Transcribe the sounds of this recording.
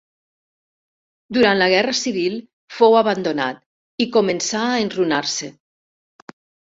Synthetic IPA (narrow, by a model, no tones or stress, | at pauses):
d̪uɾant̪laɣ̞ɛrasiβ̞ilˠ | fowaβand̪ona̰t̪̚ | ikomensaːenrunaɾse